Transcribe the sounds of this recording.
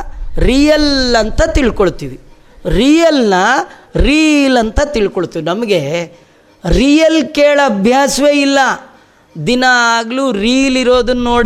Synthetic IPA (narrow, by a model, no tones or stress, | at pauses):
ɾiːjɐlɐnt̪ɐt̪iɭkoɭt̪ːiːʋi | ɾiːjɐlnɐɾiːlɐnt̪ɐt̪iɭkoɭut̪iːʋinɐmɐɡe̞ | ɾiːjɐlkeːɭɐɐbʱjaːsʋe̞ːilːɐ | d̪inɐaːɡluːɾiːjliɾoːd̪ɐnːoːɽ